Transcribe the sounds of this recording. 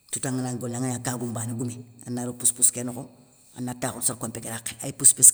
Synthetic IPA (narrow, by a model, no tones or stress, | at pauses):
tutaŋːanaŋɡonaŋanakaːɡumbaːniɡumia̰nːaɾupuspuskenuko | a̰nːataːxotsaɾkompekeɾakːeajipuspus